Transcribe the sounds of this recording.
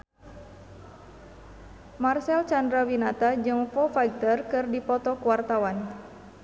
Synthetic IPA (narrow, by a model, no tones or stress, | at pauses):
marsɛlt͡ʃandɾawinat̪ad͡ʒɨŋfɔfaik̚t̪ərkɨrdipɔt̪ɔkuwart̪awan